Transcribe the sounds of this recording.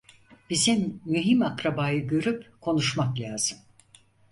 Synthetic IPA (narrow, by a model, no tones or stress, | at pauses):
b̥izimːyɦimakɾabaːjɯɡøɾypkʰo̞nuʃmaklʲaːz̥ɯm